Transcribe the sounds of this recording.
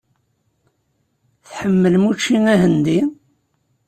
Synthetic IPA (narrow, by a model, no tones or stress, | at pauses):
θħəmːəlmut͡ʃːiŋæɦənd̪i